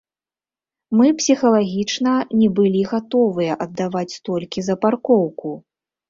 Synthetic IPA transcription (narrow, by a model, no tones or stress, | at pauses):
mɨpsʲixɐlˠaɣʲit͡ʂnɐnʲɛbɨlʲiɣat̪ɔvɨjɐʔɐd̪ːavat͡sʲst̪ɔlʲkʲizɐparkɔwku